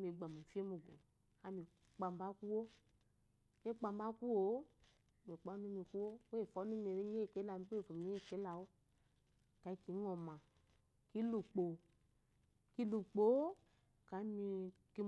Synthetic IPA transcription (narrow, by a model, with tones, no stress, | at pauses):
mi˨ɡ͡ba˨mu˨fi˦e˦mu˨ɡo˨ | a˦mi˨ | k͡pa˨m˦ba˦ku˦wo˦ | ɲ˦e˦k͡pa˧m˦ba˦ku˦wo˨˦ | mi˨k͡pɔ˦nu˦mi˧ku˦wo˦wfɔ˨˦nu˦mi˨ɾe˦e˦e˦˨ke˦la˧˨mi˦kvo˨m˨˦˨ke˨˦la˨wo˦˨ | ka˨i˦ki˨˦ŋɔ˨mã˨ | ki˦lu˨k͡po˨ | ki˦lu˨k͡po˨˦o˦ | ka˨˦mi˧ki˦